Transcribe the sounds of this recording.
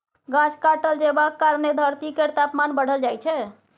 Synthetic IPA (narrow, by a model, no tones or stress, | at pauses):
ɡãt͡ʃʰkaʈəld͡ʒebakːaɾned̪ʱəɾt̪ikeɾt̪apmanbəɽ̤əld͡ʒajt͡ʃʰɛ